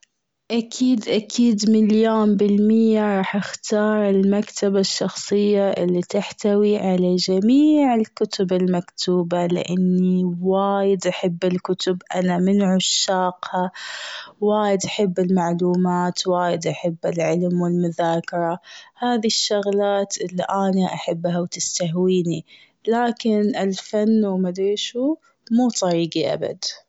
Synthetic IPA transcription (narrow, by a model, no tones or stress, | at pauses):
ʔakʰiːd̪ʔakʰiːd̪mɪljaːnbɪlmɪjːaɾˤɑːħʔɪxt̪ɑːɾˤɪlmakt̪ʰabaʃːɑxsˤɨjːaʔɪlːit̪ɪħt̪awiʕalad͡ʒamiːʕɪlkʊt̪ʊbɪlmakt̪ʰuːbalɪ̰ʔanːiwaːjɪd̪ʔaħɪbːɪlkʊt̪ʊbʔanamɪnʕʊʃːaːqha | waːjɪd̪ʔaħɪbːɪlmaʕluːmaːt̪waːjɪd̪ʔaħɪbːɪlʕɪlmwɪlmʊðaːkɪɾˤɑhaːðiʃːʊɣlaːt̪ʔɪlːiʔaːnaʔaħabːhawt̪ɪst̪aɦwiːni | laːkɪnʔɪlfanːwmad̪ɾiʃu | muːt̪ˤɑɾiːɡiʔa̰ba̰d̪